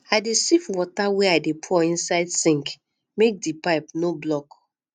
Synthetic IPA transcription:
aɪdesifwɔtawɛaɪdepʰɔĩnsaɪdsĩŋk | mek̚dipaɪpnoblɔk

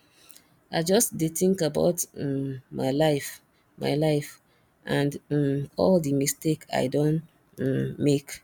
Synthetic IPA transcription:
aɪd͡ʒɔstdetĩŋkaba̰ʊt | maɪlaɪf | ma̰ɪlaɪf | ʔãndɔldimisteka̰ɪdõñ | mek

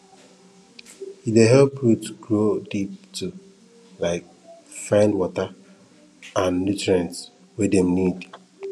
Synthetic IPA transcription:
hideɦɛlpɹutɡɹodip̚tʰu | laɪk̚ | fãɪ̃ndwɔtə | ãnːutɹɛ̃nt | wedemnid

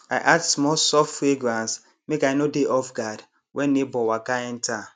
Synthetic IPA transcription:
aɪʔatsmɔsɔftfweɡɾãns | mekaɪnodeʔɔfɡad | wʔɛnːebɔwakaɛn̩ta

